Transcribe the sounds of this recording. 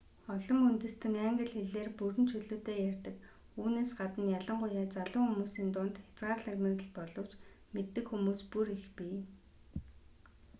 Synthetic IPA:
ɔɮɞ̆munt̪ɘ̆st̪ʰɘ̆ŋæŋɡə̆ɮxeɮeːrpuɾɘ̆nt͡ɕʰɵɮoːt̪eːjærʲt̪ə̆k | uːneːsɢat̪ə̆njaɮə̆ɴɢʊjaːt͡saɮʊːxumuːsiːnt̪ʊːnt̪xʲḁt͡sɢaːrɮaɣmeə̆ɮpɔɮɞ̆w̥t͡ɕ | met̪ːɘ̆kxumuːspuɾixpiː

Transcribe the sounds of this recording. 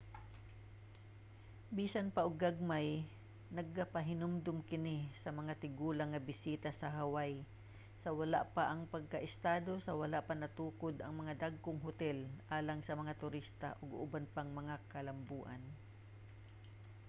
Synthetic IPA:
biːsanpaʔoɡːaɡ̚maj | nɐɡ̚ːapɐɦɪnʊmd̪ʊmkɪnɪsɐmɐŋat̪ɪɡuːlɐŋːɐbɪsiːt̪asɐɦɐwaj | sɐwɐla̰ʔpaʔɐŋpɐɡ̚kɐʔɪst̪aːd̪osɐwɐlaʔpanɐt̪uːkod̪ɐŋmɐŋad̪aɡ̚koŋɦʊt̪ɛlʔaːlɐŋsɐmɐŋat̪ʊɾist̪a̰ʔoɡʊbanpaŋmɐŋakɐlɐmbuːʔɐ̰n

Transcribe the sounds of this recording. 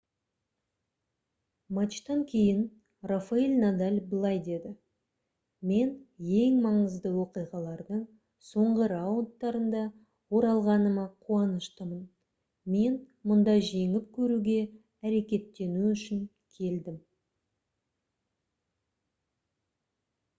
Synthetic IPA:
mat͡ʃt̪ɑŋkʲʰe̞jɪn | rafailʲnad̪alʲbəlˠɑjd̪e̞d̪ɪ | me̞nje̞ŋmɑɴəzd̪əwo̞qijʁɑlˠɑɾd̪əɴ | so̞ɴʁəɾaunt̪ːɑɾənd̪ɑ | wo̞ɾɑlˠʁɑnəmɑqʰuɑnəʃt̪əmən | me̞n | mʊnd̪ɑjʒe̞ŋɪp̚kʲʰɵɾuɡʲe̞ | æɾe̞kʲe̞t̪ːe̞nuʏʃɪŋ | kʲʰe̞ld̪ɪm

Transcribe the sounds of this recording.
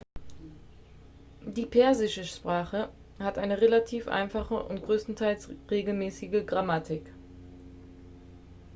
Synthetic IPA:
diːpʰɛɐzɪʃəʃpʁ̥aːχə | hatʔaɪnəʁelatʰiːfʔa̰ɪnfaχəʔʊ̰ntɡ̥ʁøːstn̩tʰaɪlsʁeːɡl̩mɛːsɪɡəɡʁamatʰɪk

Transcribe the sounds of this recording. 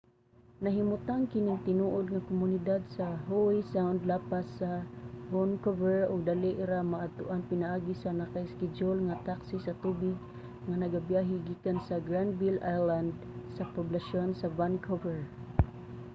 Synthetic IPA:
naɦɪmʊt̪aŋkɪnɪŋt̪ɪnuʔod̪̚ŋakʊmʊnɪd̪ad̪saɦowisaʊnd̪lapasavonkovɛɹʊɡ̚d̪aliʔɪɾamaʔ̚ːt̪ʊʔanpɪnaʔaːɡisanakaɪskɪd͡ʒolŋat̪aksisat̪ubɪɡ̚ | ŋanaɡabjaɦɪɡiːkansaɡɾand̪vilajland̪ | sapʊblaʃonsavankʰovɛɹ

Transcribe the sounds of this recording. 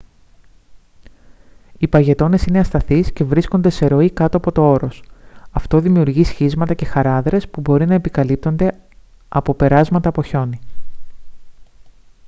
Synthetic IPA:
ipɐʝe̞t̪o̞ne̞sine̞ɐst̪ɐθisce̞vɾisko̞nd̪e̞se̞ɾo̞ikɐt̪oɐpo̞t̪o̞o̞ɾo̞sɐft̪o̞ðimiuɾʝisçizmɐt̪ɐce̞xɐɾɐðɾe̞spubo̞ɾinɐe̞pikɐlip̚t̪o̞nd̪e̞ | ɐpo̞pe̞ɾɐzmɐt̪ɐpo̞ço̞ni

